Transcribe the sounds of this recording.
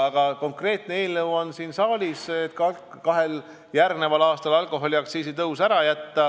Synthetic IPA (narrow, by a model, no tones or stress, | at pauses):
ɑɡ̥ɑko̞ŋkre̞ːt̪ne̞eːlnɤwo̞nsiːnsɑːlʲiset̪kɑ | kɑɦe̞l | jærɡne̞vɑlɑːst̪ɑlɑlkˑo̞ɦo̞lʲiɑkt̪siːsit̪ɤwsæɾɑjæt̪ːɑ